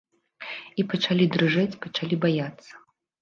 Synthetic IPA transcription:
ipɐt͡ʂalʲid̪ɾɨʐɛt͡sʲpɐt͡ʂalʲibajat̪sːɐ̥

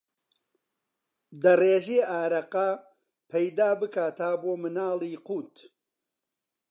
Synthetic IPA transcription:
d̪ɐreːʒiːaːɾɐqɐ | pʰɐjd̪aːbɨkaːt̪aboːmɨnaːlˠiːquːt̪

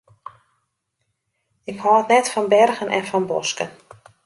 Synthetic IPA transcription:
ɪkhɔːətnɛtfɔnbɛrɣənʔɛ̰nfɔnbɔ̰skən

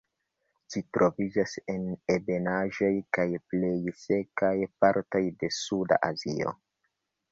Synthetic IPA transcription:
ʃitɾʔo̞vid͡ʒase̞ne̞be̞naʒojkajple̞jse̞kajpaɾto̞jde̞suda̰ʔazio̞̰

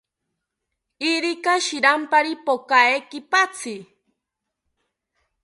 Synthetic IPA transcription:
iɾikaʃiɾampaɾipokaekɪpat͡sɪ

